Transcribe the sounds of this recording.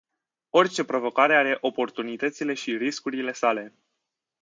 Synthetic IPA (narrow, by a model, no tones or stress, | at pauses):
o̞rʲt͡ʃe̞pɾo̞vo̞kaɾe̞aɾe̞ʔo̞po̞rt̪unit̪ət̪sile̞ʃiriskuɾile̞sale̞